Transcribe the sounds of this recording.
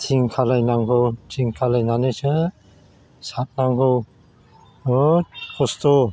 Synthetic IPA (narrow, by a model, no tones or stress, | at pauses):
tʰiŋkʰalajnaŋɡɔwtʰiŋkʰalajnanesɯ | sat̚naŋɡɯw | kʰɔstɔ